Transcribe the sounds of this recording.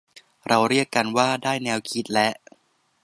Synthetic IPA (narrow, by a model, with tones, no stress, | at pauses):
ɾa˧wɾi˥˩əkːa˧nwaː˥˩daː˥˩jnɛː˧wkʰi˦˥t̪̚lɛ˦˥ʔ